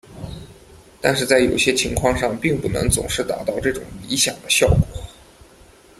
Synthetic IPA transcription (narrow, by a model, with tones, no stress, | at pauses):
t̪a˥˧nʂɻ̩˥˧t͡sa˥˩ɪjo˨˩ʊɕjɛ˥t͡ɕʰi˧˥ŋkʰwɑ˥˧ŋʂɑ˥˧ŋpi˥˧ŋpu˥˩nɤ̰˧˥ŋt͡sʊ̰˨˩ŋʂɻ̩˥˩t̪aɑ̰˨˩t̪ɑ˥˧ʊʈ͡ʂɤ˥˩ʈ͡ʂʊ̰˨˩ŋli˧˥ɕjɑ̰˨˩ŋd̪ə˦ɕjɑ˥˩ʊkwɔ̥˨˩˦